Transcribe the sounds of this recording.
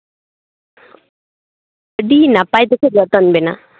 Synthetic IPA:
əɖinapajt̪ekʰeɡɔt̪ɔnbena

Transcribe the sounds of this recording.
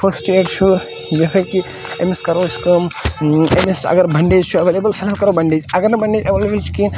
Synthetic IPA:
pʰɐɾsʈeʈt͡ʃʰu | jɐɦɐjki | ḛmiskɐɾoiskəmḛmisɐ̰ɡəɾbɐɳɖed͡ʒt͡ʃʰuɐʋelebəlfʰelamkɐɾobɐɳɖeːd͡ʒɐɡəɾnɐbɐɳɖeːd͡ʒɐʋlebəlt͡ʃʰu̥kin

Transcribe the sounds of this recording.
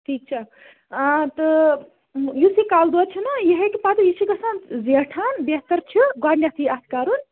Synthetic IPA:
ʈʰiːk̚t͡ʃʰɐ | t̪ɨ | jusikaːld̪ɔt͡ʃʰinɐjiɦekipaːt̪ijisiɡɐsanzeʈʰanbeɦt̪ɐɾt͡ʃʰiɡaːnjat̪ʰiat̪ʰkaːɾun

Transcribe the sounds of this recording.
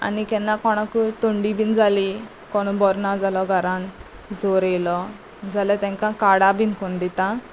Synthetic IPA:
a̰nikɛnːãkɔɽ̃akut̪oɳɖibind͡zali | kɔñubɔɾnad͡zalɔɡʱəɾan | d͡zoɾejlɔ | d͡zalat̪ɛ̃ŋkãkaɽabinkond̪it̪ã

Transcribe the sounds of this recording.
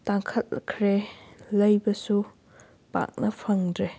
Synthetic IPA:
taŋkʰɐt̚kʰɾelɐjbɐsu | pa̰k̚nɐpʰɐŋdɾe

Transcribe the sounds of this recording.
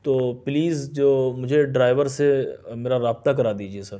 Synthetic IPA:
t̪oːpliːzd͡ʒoːmʊd͡ʒʱeɖɾaːɪʋəɾsemeːɾaɾaːb̚t̪ak̬ɐɾaːd̪iːd͡ʒiesɐɾ

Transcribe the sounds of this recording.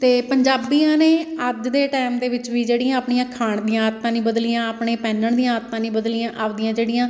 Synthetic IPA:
t̪eːpəɲd͡ʒaːbiːãːneːəd͡ʒd̪eːʈɛːmd̪eːʋɪt͡ʃʋiːd͡ʒeːɽɪjãːaːpɳijãːkʰaːɳd̪ijãːt̪ːãːnĩːbəd̪lijãːəpɳeːpɛ̃ːnəɳd̪ijãːət̪ːãːnĩːbəd̪lijãːʔaːʋd̪ijãːd͡ʒeːɽɪjãː

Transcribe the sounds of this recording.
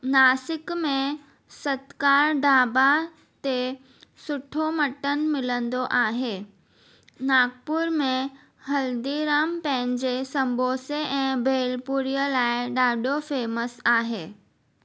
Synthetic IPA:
naːsɪkmẽ | sət̪kaːɾɖʱaːba | t̪e | sʊʈʰomɐʈənmɪlə̃nd̪oʔaːɦeː | naːɡpʊɾmẽ | hɐld̪iɾaːmpɛ̃ɦɪɲd͡ʑesɐ̃mbʱoːseʔɛ̃ːbʱeːlpuɾijəlaːɪɗaːɖofeːməsaːɦeː

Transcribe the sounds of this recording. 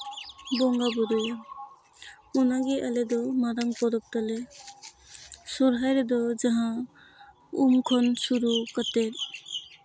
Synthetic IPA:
bɔŋɡabuɾu | unaɡiʔaled̪ɔmaɾaŋpɔɾɔk̚t̪ale | sɔɾɦajɾed̪ɔd͡ʒaɦã | umkʰɔnsuɾukat̪eɾ

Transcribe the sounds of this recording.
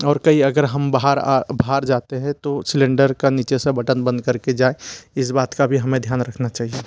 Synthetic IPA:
ɔːɾkəiɐɡəɾɦəmbaɦaɾa̰baɦaɾd͡ʒaːt̪eɦɛ̃t̪osɪlẽɳɖəɾkaniːt͡ʃesẽbəʈənbə̃nd̪kɐɾked͡ʒaːeɪsbaːt̪kabʱiɦɐmẽd̪ʱjaːnɾəkʰnat͡ʃaːɦie

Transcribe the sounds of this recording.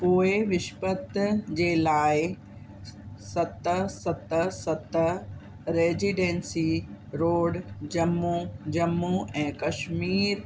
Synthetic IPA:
poːeʋɪʃpət̪d͡ʑeːlaːɪ | sɐt̪əsɐt̪əsɐt̪ə | ɾeːziːɖẽːnsiɾoːɖd͡ʑɐmːud͡ʑɐmːuɛ̃ːkɐʃmiːɾ

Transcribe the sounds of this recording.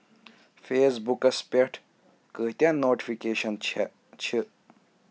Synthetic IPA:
feːsbukɐspeʈʰ | kəːɦt̪ʲãnoːʈifikeːʃɐn | t͡ʃʰi

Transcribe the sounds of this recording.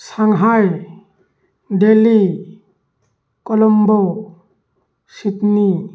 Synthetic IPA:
saŋɦaj | ɖeli | kɔlɔmbɔw | sit̪ni

